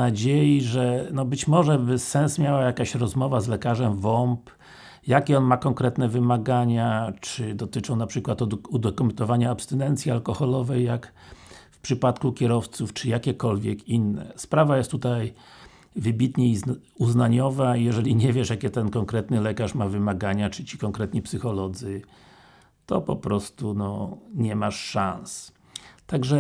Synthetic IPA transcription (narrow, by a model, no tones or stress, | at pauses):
ad͡ʑejiʐɛnɔbɘt͡ɕmɔʐɛbɘsɛnsmʲjawajakaɕɾɔzmɔvazlɛkaʐɛmvɔmp | jakʲɛɔnmakɔŋkɾɛt̪nɛvɘmaɡaɲat͡ʂɘd̪ɔt̪ɘt͡ʂɔ̃w̃napʂɘkwat̪ud̪ɔkumɛnt̪ɔvaɲaːpst̪ɛnɛnt̪sʲjialkɔxɔlɔvɛjːak | fpʂɘpat̪kukʲɛɾɔft̪suft͡ʂɘjakʲɛkɔlvʲjɛkinːɛ̰spɾavajɛst̪ːut̪aj | vɘbʲit̪ɲɛi | uznaɲɔvajɛʐɛlʲiɲɛvʲjɛʂjakʲɛt̪ɛnkɔŋkɾɛt̪nɘlɛkaʂmavɘmaɡaɲat͡ʂɘt͡ɕi̥kɔŋkɾɛt̪ɲipsɘxɔlɔd̪zɘ | t̪ɔ̰pɔ̰pɾɔst̪unɔɲɛmaʂːãns | t̪aɡʐɛ